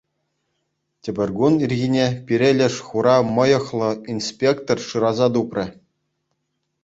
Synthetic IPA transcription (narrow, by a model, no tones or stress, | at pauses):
tʲĕbʲɘ̆rʲɡunirʲɣʲinʲepʲiɾʲelʲɘ̆ʂχuɾɑmɤ̆jɤ̆χlˠɤ̆inspʲekt̪orʂɯɾɑzɑt̪uprʲɘ̆